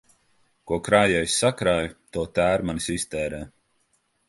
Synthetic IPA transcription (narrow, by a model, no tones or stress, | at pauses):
kuɔkɾaːjɛjsʲːakɾaːjt̪uɔt̪æːɾmanisist̪ɛːɾɛː